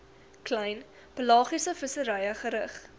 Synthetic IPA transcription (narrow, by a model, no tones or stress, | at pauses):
klɐjn | pəlɑːχisəfəsəɾɐjəχəɾəχ